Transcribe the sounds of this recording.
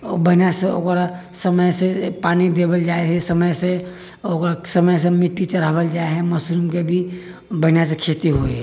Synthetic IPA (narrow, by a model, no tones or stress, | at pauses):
obəɦnjaseo̰kɾa | səməjsepanid̪ebəld͡ʒaeɦɛsəməjse | okɾasəməjs̬emiʈːit͡ʃəɾabəld͡ʒaeɦɛməsɾumkebʱi | bəɦnjas̬ekʰet̪iɦo